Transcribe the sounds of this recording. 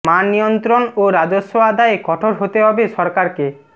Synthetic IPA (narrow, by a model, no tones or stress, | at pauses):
manːijont̪ɾonoɾad͡ʑoʃːoad̪aekɔʈʰoɾɦot̪eɦɔbeʃɔɾkaɾke